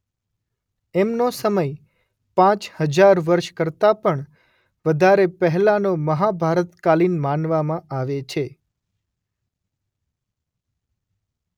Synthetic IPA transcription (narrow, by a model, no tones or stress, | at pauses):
ɛmnosəməj | pãt͡ʃhəd͡ʒaɾʋəɾʃkəɾt̪apəɳ | ʋəd̪ʱaɾepəɦlanoməɦabʱaɾət̪kalinmanʋamãʔaʋet͡ʃʰe